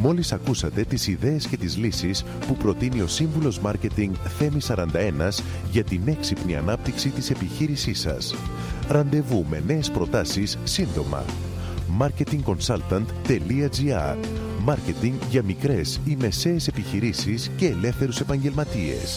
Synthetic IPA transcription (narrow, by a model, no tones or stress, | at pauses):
mo̞lisɐkusɐt̪e̞t̪isiðe̞ːsce̞t̪izlisis | pupɾo̞t̪inio̞siɱvulo̞zmɐɾce̞t̪iŋɡθe̞misɐɾɐnd̪ɐe̞nɐz | ʝɐt̪ine̞ksipniɐ̰nɐp̚t̪iksit̪ise̞piçiɾisisɐ̰s | ɾɐnd̪e̞vume̞̰ne̞ːspɾo̞t̪ɐsisːind̪o̞mɐ̰ | mɐɾce̞t̪iŋɡko̞nsɐlt̪ɐnt̪ːe̞liɐd͡ziɐ̰ | mɐɾce̞t̪iŋɡʝɐmikɾe̞sime̞se̞ːse̞piçiɾisisce̞ːle̞fθe̞ɾuse̞pɐɲɟe̞lmɐt̪ie̞̰s